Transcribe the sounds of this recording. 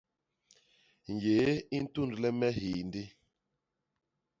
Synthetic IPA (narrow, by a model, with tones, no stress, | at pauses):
ɲ˨je˨˦i˦n̩˦tu˦ndu˨lɛ˦mɛ˦hi˨ndi˦